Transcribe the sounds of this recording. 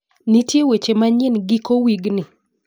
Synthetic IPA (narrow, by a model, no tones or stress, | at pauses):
nitjewet͡ʃemaɲenɡikowiɡnɪ